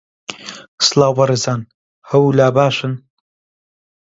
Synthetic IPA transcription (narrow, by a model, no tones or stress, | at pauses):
slaːwɐɾɨzaːn | hɐwulaːbaːʃɨn